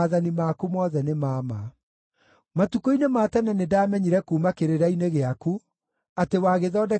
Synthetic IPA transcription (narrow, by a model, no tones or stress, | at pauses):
ðanimakumɔːðɛnemaːma | matukoinemaːtɛnɛnedaːmɛɲiɾɛkuːmakeɾeɾaineɣeaku | atewaːɣeðɔːdɛ